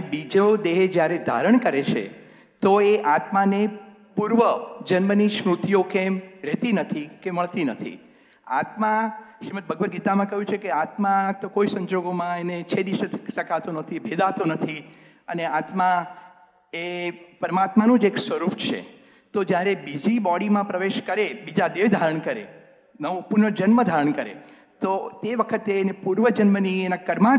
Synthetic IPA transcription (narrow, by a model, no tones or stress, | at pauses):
bid͡ʒod̪eɦed͡ʒjaɾed̪ʱa̰ɾəɳkəɾet͡ʃʰḛ | t̪oeʔat̪mane | puɾʋəd͡ʒənməniʃmɾut̪ijokemɾɛt̪inət̪ʰikeməɭt̪inət̪ʰḭ | a̰t̪maʃɾimət̪̚bʱəɡʋəɾɡit̪amãkəɦjũt͡ʃʰekeat̪mat̪okoisə̃ɲd͡ʒoɡomãenet͡ʃʰed̪isesəkat̪onət̪ʰibʱed̪at̪õnət̪ʰi | əneat̪mã | epəɾəmat̪manũd͡ʒeksʋəɾupt͡ʃʰḛ | t̪od͡ʒjaɾebid͡ʒibɔɽimãpɾəʋeʃkəɾebid͡ʒad̪eʋd̪ʱaɾəɳkəɾḛ | nəʋpuɾɳəd͡ʒənməd̪ʱaɾəɳkəɾḛ | t̪ot̪eʋəkʰət̪eːnepuɾʋəd͡ʒənmənienakəɾmã